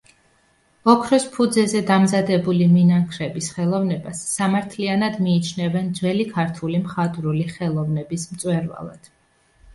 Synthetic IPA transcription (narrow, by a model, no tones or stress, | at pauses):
ɔkʰɾɔspʰud̪zɛzɛd̪amzad̪ɛbuliminaŋkʰɾɛbisχɛlˠɔvnɛbasːamaɾt̪ʰlianad̪miːt͡ʃʰnɛvɛnd̪zwɛlikʰaɾt̪ʰulimχat̪ʼɾuliχɛlˠɔvnɛbismt̪sʼwɛɾva̰lˠa̰d̪̥